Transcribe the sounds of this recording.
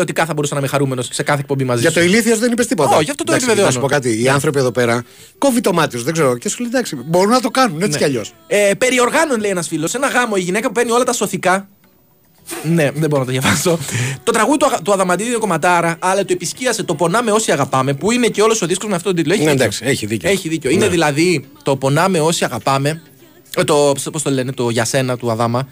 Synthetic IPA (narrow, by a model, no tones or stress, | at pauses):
ot̪ikɐθɐbo̞ɾusɐnɐmixɐɾumenosse̞kɐθek̚po̞mbimɐziʝɐst̪oiliθiozðenipest̪ipot̪ɐoʝɐft̪ot̪oepspveðeospo̞kɐt̪̬iːɐnθɾo̞pieðo̞pe̞ɾɐ | ko̞vit̪o̞mɐt̪iozðeɡzeɾocesolid̪ɐksibo̞ɾunːɐt̪okɐnuneniɐʎo̞s | epe̞ɾio̞ɾɣɐnonle̞ienɐsfilo̞se̞nɐɣɐmo̞iʝine̞kɐpupeɾnio̞lɐt̪ɐso̞θikɐ | ne̞ðeboɾonɐt̪ɐðjɐvɐso̞t̪o̞t̪ɾɐɣuðit̪ɐt̪uɐðɐmɐt̪̬iðinko̞mɐt̪ɐɾɐʔɐlɐt̪uepisciɐse̞t̪o̞po̞nɐme̞o̞siɐɣɐpɐme̞puine̞ceo̞lo̞so̞ðisko̞zmeft̪otoit̪uloeçind̪ɐksi̥eçiðiceeçiðiceoineðilɐðit̪o̞po̞nɐme̞o̞siɐɣɐpɐme̞ | t̪ospost̪ole̞net̪o̞ʝɐse̞nɐt̪uɐðɐmɐ